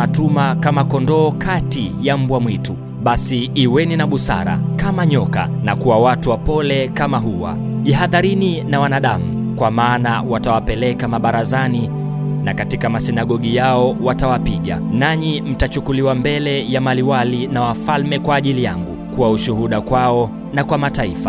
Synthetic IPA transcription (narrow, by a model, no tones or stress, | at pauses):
atumakamakɔndɔːkatijam̩bwamwitu | ɓasiːwɛninaɓusa̰ɾa̰kamaɲɔka̰ | nakuwawatuwapɔlɛkamaɦuwa̰ | ʄiɦaðaɾininawanaɗamu | kwamaːna̰watawapɛlɛkamaɓaɾazani | nakatikamasinaɠɔɠijaɔwatawapiɠa̰naɲim̩tat͡ʃukuliwambɛlɛjamaliwalinawafalmɛkwaːʄilijaŋɡukuwauʃuɦuɗakwaɔ | nakwamataifḁ